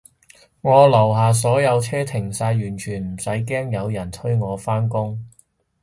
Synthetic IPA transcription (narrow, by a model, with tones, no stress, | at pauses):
ŋɔː˨˧lɐ˨˩wɦaː˨s̬ɔː˨˥jɐ˨˧wt͡sʰɛː˥t̪ʰɪ˨˩ŋsaː˧jɥyː˨˩nt͡ʃʰyː˨˩nm̩˨˩sɐ˨˥jkɛː˥ŋjɐ˨˧wjɐ˨˩nt̪ʰɵ˥ɥŋɔː˨˧faː˥nkʊ˥ŋ